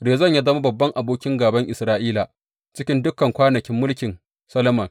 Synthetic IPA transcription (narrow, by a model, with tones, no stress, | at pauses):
ɾeː˨zɐ˦˨ɲja˦dɐ˦ma˦bɐ˨bːɐ˦ŋʔa˨boː˦kʲɪ˦ŋɡaː˨bɐ˦ŋʔɪ˨sɾaː˦ʔiː˦la˨ʔ | t͡ʃɪ˦kʲɪ˦ndʊ˦kɐ˨ŋkʷaː˦nɐ˨kʲɪ˦mːʊ˦lkʲɪ˨n | sɐ˦lo˦mɐ˨ŋ